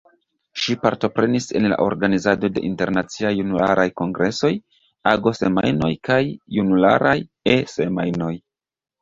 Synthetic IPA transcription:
ʃipaɾto̞pɾe̞nise̞̰nla̰ʔo̞̰ɾɡanizado̞de̞̰ʔinte̞ɾnat͡siajːunula̰ɾʔajko̞ŋɡɾʔe̞so̞j | aɡo̞se̞ma̰jno̞jkajːunula̰ɾʔaj | e̞se̞majno̞j

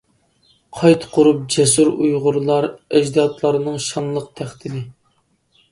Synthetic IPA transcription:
qʰɑjt̪ʰqʰʊɾup̚d͡ʒɛsuɾujʁʊɾlˠɑɾɛd͡ʒd̪ɑt̪ʰlˠɑɾɨnɨŋʃɑnlˠəqt̪ʰæχt̪ɪnɪ

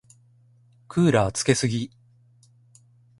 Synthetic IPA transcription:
kʰɯːɾat͡sɨ̥ke̞sɨɡʲi

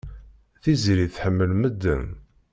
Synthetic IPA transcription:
θizɾiθħəmːəlməd̪ːə̰m

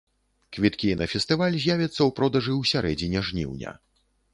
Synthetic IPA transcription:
kvʲit̪kʲinɐfʲɛst̪ɨvalʲzʲjavʲɐt̪sːɐwpɾɔd̪ɐʐɨwsʲaɾɛd͡zʲinʲɛʐnʲḭwnʲɐ̰

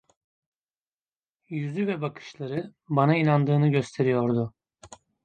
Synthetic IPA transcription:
jyzyvɛbakʰɯ̥ʃlˠaɾɯbanainand̪ɯːnɯɟø̞st̪ʰe̞ɾijo̞ɾd̪ʊ

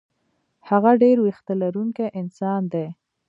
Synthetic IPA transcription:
haɣaɖeɾwixt̪alaɾuŋkaʔɪnsɑnd̪e

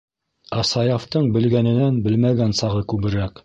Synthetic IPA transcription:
ɑsɑjɑft̪ɤɴbɘ̆lɡænɘ̆nænbɘlmæɡænsɑʁɤkʉβɘ̆ɾæk

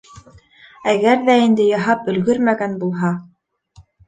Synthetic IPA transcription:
æɡæɾðæind̪ɘjɑɦɑpɵ̆lɡɵɾmæɡænbulˠɦɑ

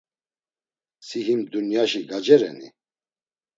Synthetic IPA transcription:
siɦimd̪unjaʃiɡad͡ʒɛɾɛ̰nḭ

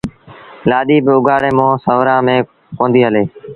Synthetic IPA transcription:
laːɗiːbʊɡʱaːɽeːmõːsəʋɾãːmẽː | kõːnd̪iːɦəleː

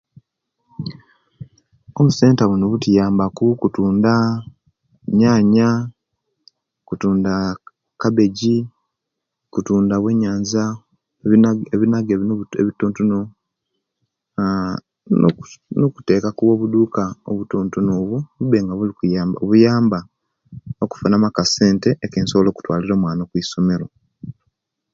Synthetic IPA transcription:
o̞βuse̞ːntaβunoβutijaːmbakukutuːnda | ɲaːɲa | kutuːnda | kabe̞ɟi | kutuːndawe̞ɲaːɲza | eβinaɡeβinoeβitoːntuno | nnoku̥te̞ːkakuβwo̞ːβuduːkaoβutuːntunoβuβuβe̞ːŋɡaβulikujaːmbaoβujaːmba | oku̥fanamakase̞ːnte̞ʔːkeːnsoβolo̞ːku̥twa̰ːliɾo̞ːmwaːnokwiːso̞me̞ɾo

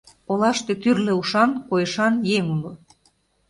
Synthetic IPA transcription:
olɑʃt̪et̪yrlĕuʃɑnkojəʃɑnjeŋulo

